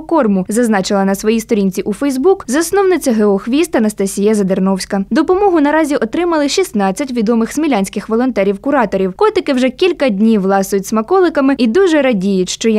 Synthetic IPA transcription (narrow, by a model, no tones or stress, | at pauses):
kɔrmʊzɐznɑt͡ʃɪlˠɐnɐsʋɔjist̪ɔɾʲinʲt͡sʲiʔufɛjzbukzɐsnɔwnɪt͡sʲɐɦeɔxʋʲist̪ɐnɐst̪ɐsʲijɛzɐd̪ernɔwsʲkɐd̪ɔpɔmɔɦʊnɐɾɑzʲiʔɔt̪ɾɪmɐlˠɪʃʲisnɑt͡sʲːɐtʲʋʲid̪ɔmɪxsmʲilʲanʲsʲkɪxʋɔlˠɔnt̪ɛɾʲiwkʊɾɑt̪ɔɾʲiwkɔt̪ɪkɪwʒɛkʲilʲkɐdʲnʲiwlˠɑsʊjʊtʲsmɐkɔlˠɪkɐmɪid̪uʒɛɾɐdʲijʊtʲʃt͡ʃɔj